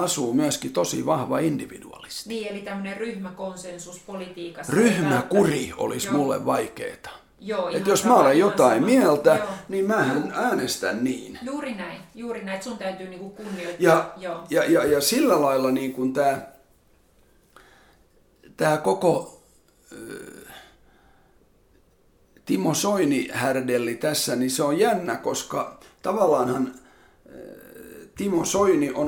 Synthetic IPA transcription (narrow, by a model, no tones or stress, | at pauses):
ɑsuːmyæskit̪osḭʋɑhʋɑindiʋḭdṵɑ̰li̥st̪iiːelit̪æmːøneryhmækonsensuspolit̪iːkɑsryhmækurio̰lḭsmulːḛʋʋɑikḛːt̪ɑ̥ | joːet̪josmæolejjot̪ɑimmiælt̪æniːmmæːhænæːnest̪æ̰nniːnjuːrinæijuːrinæit̪sunt̪æyt̪yːniːŋkukunːioitjɑjoːjɑjɑjɑsilːælɑilːɑniːŋkunt̪æː | t̪æːkoko | t̪imosoinihærdelːit̪æsːæniseojjænːækoskɑt̪ɑʋɑlːˑɑːnhɑn | t̪imosoiniʔo